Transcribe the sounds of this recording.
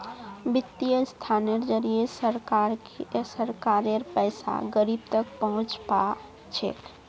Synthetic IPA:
bɪt̪ːijəst̪ʰaːneɾd͡ʒəɾijesəɾkaɾ | səɾkaːɾeɾpɛɪsa̰ɡəɾiːb̚t̪ək̚pəɦʊ̃t͡ʃpa | t͡ʃʰḛk

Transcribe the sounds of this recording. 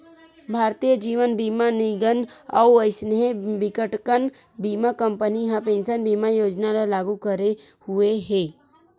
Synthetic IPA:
bʱaːɾt̪ijəd͡ʒiːʋənbiːmanɪɡəna̰əɪsnebɪkəʈkən | biːmakə̃mpəniɦãpẽːnsənbiːmajoːd͡ʒnalalaːɡukəɾe | hueɦɛ̃ː

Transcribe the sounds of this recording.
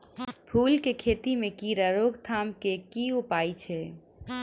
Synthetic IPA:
pʰuːlkekʰeːt̪imẽkiɾəɾoːɡt̪ʰaːmkekiʊpaːit͡ʃʰeː

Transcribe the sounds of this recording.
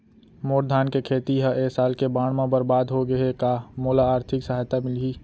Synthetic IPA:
moːɾd̪ʱaːnkekʰeːt̪iɦəʔeːsaːlkebaːɽ̃mẽbəɾbaːd̪ɦoɡəekamoːlaaːɾt̪ʰɪksəɦaːjt̪amɪlɦiː

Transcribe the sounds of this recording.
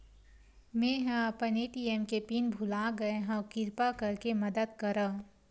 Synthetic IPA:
mẽːɦãpɐneːʈiemkepiːnbʱʊlaːɡɐeɦãkɪɾpakɐɾkemɐd̪əd̪̚kɐɾə

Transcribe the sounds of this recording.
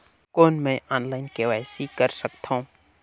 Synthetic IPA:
koːnmɛ̃ʔaːnlaːɪnkeʋaːjsikəɾsəkt̪ʰaũː

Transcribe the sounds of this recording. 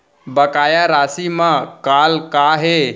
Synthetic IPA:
bəkaːjaɾaːsimãkaːlkaɦe

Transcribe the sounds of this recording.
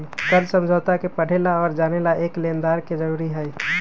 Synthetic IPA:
kəɾsə̃md͡ʒʱoːt̪akepəɽ̤elaɔːɾd͡ʒaːnelaeːkleːnd̪aːɾked͡ʒəɾuːɾiɦɛː

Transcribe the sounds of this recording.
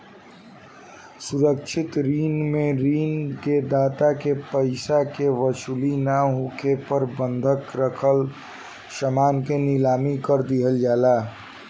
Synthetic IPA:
suɾəkt͡ʃʰɪt̪ɾiːnmẽɾiːnked̪aːt̪akepəɪsakeʋəsulinaɦũkʰepəɾbə̃nd̪ʱəkɾəkʰəl | səmaːnkenɪlaːmikəɾd̪iɦəld͡ʒaːlaː

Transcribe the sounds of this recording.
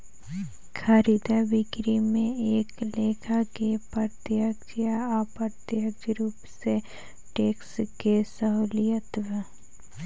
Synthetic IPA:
kʰaɾid̪aʋɪkɾimẽeːkleːkʰakepəɾt̪jəkd͡ʒjaapəɾt̪jəkɾuːpse | ʈeːkskesəɦuːlijət̪ʋə

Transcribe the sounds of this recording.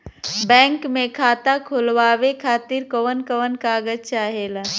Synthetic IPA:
bɛ̃ːŋkmẽkʰaːt̪akʰʊlʋaːʋekʰaːt̪iɾkoʋənkəʋənkaːɡəd͡ʒt͡ʃaːɦeːla

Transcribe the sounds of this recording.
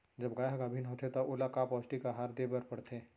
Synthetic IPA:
d͡ʒɐbɡaːjaɡabʱinɦoːt̪ʰet̪oʔolakaːpɔːsʈikaɦaːɾd̪eːbəɾpɐɽt̪ʰeː

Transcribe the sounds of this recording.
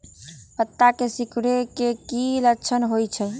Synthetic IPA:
pət̪ːakesikɽekekiləkt͡ʃʰənɦojt͡ʃʰɛ

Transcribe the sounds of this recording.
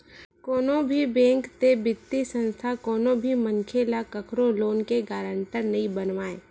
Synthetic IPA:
kɔːnobʱibɛ̃ːŋkt̪ebɪt̪ːisə̃nst̪ʰakɔːnõbʱiməŋkʰelakəkʰɾoloːnkeɡaːɾəɳʈəɾnɐɦĩbənʋaːeː

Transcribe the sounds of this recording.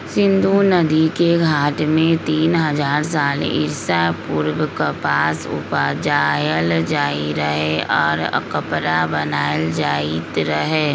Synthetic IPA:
sɪ̃nd̪ʱunɐd̪ikeɡʱaːʈmẽt̪iːnɦɐzaːɾs̬aːlɪ̰ɾsapʊɾwəkəpaːsʊ̰pad͡ʒaːjəld͡ʒaːiɾɐɦeɔːɾkəpɾabɐnaːjəld͡ʒaːit̪ɾɐɦeː

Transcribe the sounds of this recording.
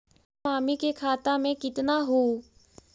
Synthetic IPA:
aːmikekʰaːt̪amẽkɪt̪naɦoː

